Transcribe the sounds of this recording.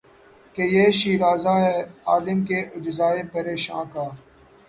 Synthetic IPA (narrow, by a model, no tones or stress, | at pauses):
kejeːʃiːɾaːzaːɦɛaːlɪmkeːʔʊd͡ʒzaːeːpɐɾeːʃã̰ːkaː